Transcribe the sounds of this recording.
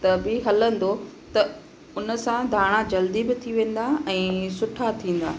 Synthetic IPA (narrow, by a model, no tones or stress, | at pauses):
t̪ɐbɪɦɐlə̃n̆d̪o | t̪ɐ | ʊnə̆sãd̪ʱaːɽ̃ad͡ʑɐld̪ibɪt̪ʰiʋẽːn̆d̪aɛ̃ːsʊʈʰat̪ʰĩːn̆d̪a̰ː